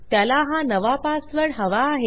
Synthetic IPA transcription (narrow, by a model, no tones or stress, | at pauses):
t̪jalaɦanəʋapasʋəɽɦəʋaːɦe